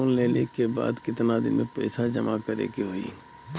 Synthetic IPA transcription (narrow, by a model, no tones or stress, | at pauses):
oːnleːlekeba̰ːd̪kɪt̪nad̪ɪ̰nmepɛɪsad͡ʒɐmakɐɾḛːkiɦoḭː